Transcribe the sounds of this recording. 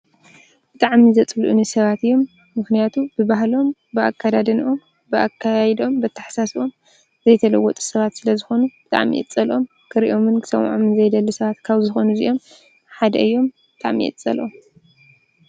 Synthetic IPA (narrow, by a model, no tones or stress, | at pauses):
b̥ɨt̪ʼaʕmizɐt͡sʼɨluʔɨnisɐβat̪ɨjːo̞mː | ɨxnijat̪ʰubɨbaɦlo̞mbɨʔa̰kʰːad̪ad̪ɐnʔo̞m | bɨʔakʰːajd̪o̞mbɐt̪ʰːaħsaso̞m | zɐjt̪ʰɐlɐwːɔt̪ʼu̥sɐβat̪sɨlɐzɨxo̞nubɨt̪ʼa̰ʕmḭʔɛ̰t͡sʼɐlʔo̞m | kʰɨɾiʔo̞mɨnkʰɨ̥sɐ̰mʕomɨnzɐjd̪ɐlːɨsɐβat̪kʰaβzɨxo̞nuzḭʔo̞m | ħad̪ɐ̰ɨjːo̞mbɨt̪ʼaʕmḭɛ̰t͡sʼɐ̰lʔom